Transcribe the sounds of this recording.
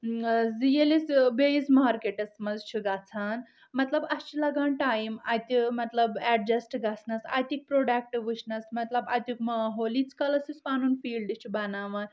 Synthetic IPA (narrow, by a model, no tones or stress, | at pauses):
zijelisbezmaːɾkeʈɐsmɐzt͡ʃʰuɡat͡sʰaːn | mɐt̪lɐbɐst͡ʃʰilɐɡaːnʈajmajt̪ʲimɐt̪lɐbɛɖ̚d͡ʒɐsʈɡat͡sʰnɐsa̰jt̪ʲik̚pɾoɖak̚ʈiʋɨʃnɐsmɐt̪lɐba̰t̪ukmɐɦolit͡skɐlɐsispaːnuːnfiːlɖit͡ʃʰubɐnaːʋɐn